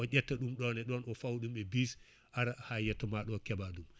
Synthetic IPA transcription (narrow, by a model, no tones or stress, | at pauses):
ɔʔɛtːaɗumɗɔnɛɗɔnɔfawɗumebis | ʔaɾahajɛtːamaɗɔkɛbaɗum